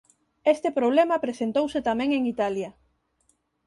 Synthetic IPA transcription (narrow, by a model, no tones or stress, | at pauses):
est̪epɾoβ̞lemɐpɾesent̪owset̪amɛ̃ŋeŋit̪alja